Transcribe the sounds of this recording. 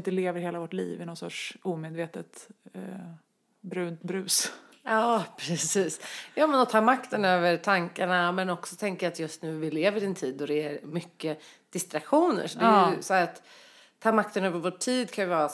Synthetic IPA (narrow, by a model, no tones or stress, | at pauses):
nt̪əleːvəɾheːlavɔʈlḭːvɪnɔt̪sɔ̰ʈʂuːmeːd̪veːt̪ət̪ | bɾʉ̟ːnt̪bɾʉ̟ːs | ɑːpʰɾɛsiːsjɑːmɛnɔt̪ʰɑːmakt̪ənøːvəɾʈʰaŋkaɳamɛnɔksɔt̪ʰɛŋkajat̪jɵst̪nʉ̟ːvɪleːvəɾɛnt̪ʰiːd̪ːɔd̪ɛæɾmʏkːə | d̪̥ɪst̪ɾakɧuːnə̰ɾʂɔd̪ɛjsahæːɾat̪ʰː | ɑːmak̚t̪ənøːvəɾvoːʈʰːiːd̪kʰãnjəvɑːɾa